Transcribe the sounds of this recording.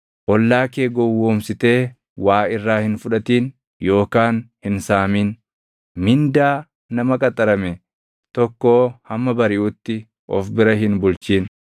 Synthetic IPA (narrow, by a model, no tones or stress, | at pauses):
ʔɔlːaːkeːɡɔwːoːmsɪt̪e̞ː | waːɪrːaːhɪnfʊᶑɐt̪iːn | jo̞ːkaːnhɪnsaːmin | mɪnd̪aː | nɐmɐkʼɐt̪ʼɐɾɐmɛ | t̪ɔkːoːhɐmːɐbɐɾɪʔʊt̪ːɪ | ʔɔ̰fbɪɾɐɦɪnbʊlt͡ʃiːn